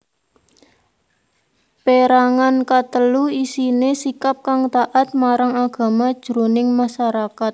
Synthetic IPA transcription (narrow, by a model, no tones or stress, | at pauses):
peɾaŋankat̪əluisinesikap̚kaŋt̪aʔat̪̚maɾaŋaɡ̥a̤mad̥ʒ̥ɾonɪŋmaʃaɾakat̪̚